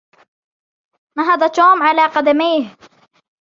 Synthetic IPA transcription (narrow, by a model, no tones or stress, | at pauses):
maɦɑd̪ˤɑt̪oːmʕalaːqɑd̪amiːh